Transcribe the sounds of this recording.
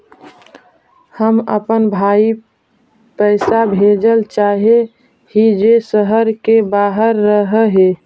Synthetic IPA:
həməpənbʱaːi | pəɪsabʱed͡ʒəlt͡ʃaːɦe | hid͡ʒesəɦəɾkebaːɦəɾːəɦəɦe

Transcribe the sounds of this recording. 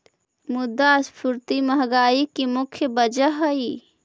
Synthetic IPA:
mʊd̪ːaspʰuɾt̪iməɦɡaːikimʊkʰjəbəd͡ʒəɦəi

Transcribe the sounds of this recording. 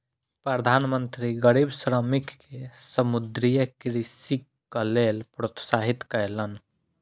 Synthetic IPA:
pɾəd̪ʱanmənt̪ɾiɡəɾibsɾəmikːesəmud̪ɾijəkɾisi | əlelpɾot̪saɦit̪kəjlən

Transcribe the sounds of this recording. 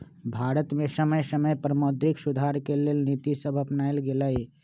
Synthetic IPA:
bʱaːɾət̪mẽsəməjsəməjpɾmoːd̪ɾɪksʊd̪ʱaɾkeleːlnit̪isəbʱəpnaːɪlɡelai

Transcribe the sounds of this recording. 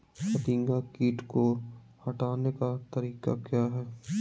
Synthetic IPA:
pɐt̪ĩŋɡakiːʈko | hɐʈaːnekat̪ɐɾiːka̰kjaːɦɛː

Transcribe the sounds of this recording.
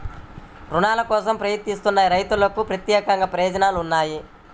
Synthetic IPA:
ɾunaːlɐkɔːsɐmpɾɐjɐt̪nist̪unːɐjɾɐjt̪ulɐkupɾɐt̪jɛːkɐŋɡɐpɾɐjɔːd͡ʒɐnaːluunːaːji

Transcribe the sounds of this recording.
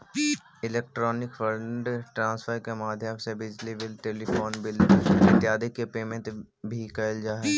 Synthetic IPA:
ɪleːk̚ʈɾɔːnɪkfəɾɖʈɾãːsfʰəɾkemaːd̪ʱjəmsebɪd͡ʒliʋɪlʈeːlifʰoːnbɪlɪ̃t̪ːjaːd̪ɪkːepeːmẽɳʈ̪ | bʱikəld͡ʒaːɦ

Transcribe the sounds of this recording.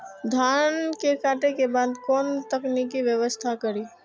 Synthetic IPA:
d̪ʱaːnkekaːʈekebaːd̪kɔːnt̪əknikiʋjəʋəst̪ʰakəɾiː

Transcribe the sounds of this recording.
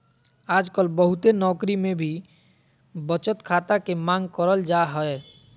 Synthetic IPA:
aːd͡ʒkəlbəɦut̪enɔːkɾimẽbʱi | bət͡ʃət̪kʰaːt̪akemãŋɡkəɾəld͡ʒaɦɔe

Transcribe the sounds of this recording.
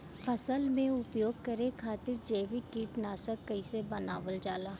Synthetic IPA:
fʰɐsəlmẽʊpjoːɡ̚kɐɾẽkʰaːt̪ɪɾd͡ʒeːʋikiːʈnaːsəkːɐisebɐnaːʋəld͡ʒaːlaː

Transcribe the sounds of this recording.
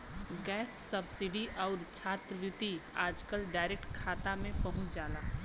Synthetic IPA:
ɡɛːsːəbsɪɖiʔɔːɾt͡ʃʰaːt̪ɾəʋjʊt̪iaːd͡ʒkəlɖaːɪɾek̚ʈkʰaːt̪amẽpɐɦʊ̃t͡ʃd͡ʒaːlaː

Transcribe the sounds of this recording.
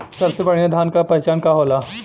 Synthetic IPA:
sɐbsebɐɽ̤̃jad̪ʱaːnkapɐɦjt͡ʃaːnkaɦoːla

